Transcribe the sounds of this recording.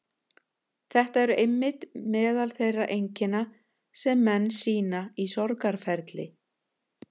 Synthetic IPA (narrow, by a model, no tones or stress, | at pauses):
θɛht̪aɛɾʏejmːɪt̪mɛːðalθejraʔejɲcɪna | sɛmːɛnːsiːnaisɔɾkaɾ̥fɛɾt̪lɪ